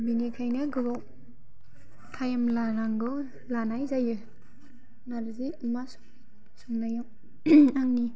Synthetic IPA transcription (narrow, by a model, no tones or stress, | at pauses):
binikʰajnɯɡɯbaw | tʰajamlaɾaŋɡɯ | lanajzajɯ | naɾziumas | suŋnajaw | aŋni